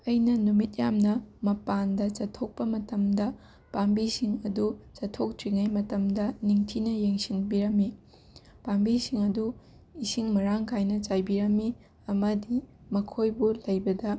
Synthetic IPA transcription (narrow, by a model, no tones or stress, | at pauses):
ɐjnɐnumit̚jamnɐmɐpandɐt͡ʃɐtʰːok̚pɐmɐtɐmdɐ | pambisiŋɐdut͡ʃɐtʰːok̚tɾiŋajmɐtɐmdɐniŋtʰinɐjeŋsinbiɾɐmːi | pambisiŋɐdu | isiŋmɐɾaŋkʰajnɐt͡ʃajbiɾɐmːi | ɐmɐdi | mɐkʰojbulɐjbɐdɐ